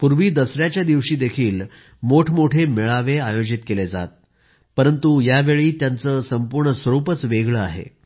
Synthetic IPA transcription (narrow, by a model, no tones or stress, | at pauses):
puɾʋiːd̪əsɾjat͡ɕjad̪iʋɕiːd̪ekʰiːl | moʈʰmoʈʰemeɭaʋeajod͡ʑit̪keled͡za̰t̪̚ | pəɾənt̪ujaʋeɭiːt̪jant͡səːsəmpuɾɳəsʋəɾupət͡sʋeɡɭəaɦḛ